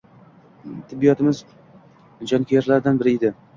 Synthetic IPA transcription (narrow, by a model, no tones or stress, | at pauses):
t̪ʰɪbːijɒt̪ʰɪmɪz | d͡ʒɒnkʲijeɾlaɾd̪anbɪɾɪɪd̪ɪ